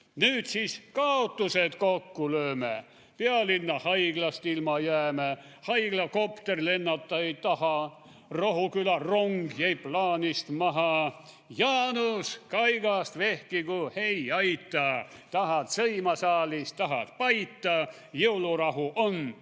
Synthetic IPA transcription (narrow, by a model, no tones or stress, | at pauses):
nyːt̪siskɑot̪ːuset̪kokːuløːme | peɑlinːɑhɑiɡ̥lɑst̪ilmɑjæːme | hɑjɡ̥lɑko̞pt̪erle̞nːɑt̪ːɑet̪ɑhɑ | roɦukylɑroŋɡjæjplɑːnist̪mɑɦɑ | jɑːnuskɑjɡ̥ɑst̪ve̞hkikuhejɑjt̪ːˑɑt̪ɑhɑt̪sɤjmɑsɑːlist̪ɑɦɑt̪pɑjt̪ːˑɑ | jɤwlurɑɦuʔon